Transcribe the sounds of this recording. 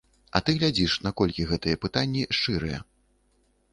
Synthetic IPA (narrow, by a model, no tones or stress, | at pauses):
ɐ̰t̪ɨɣlʲad͡zʲiʂnɐkɔlʲkʲiɣɛt̪ɨjɛpɨt̪anʲːiʂt͡ʂɨɾɨ̰jɛ̰